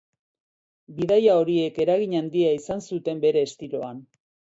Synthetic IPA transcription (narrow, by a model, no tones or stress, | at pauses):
biðajao̞ɾie̞ke̞ɾaɣiɲand̪iaisansut̪e̞mbe̞ɾe̞ːst̪iɾo̞an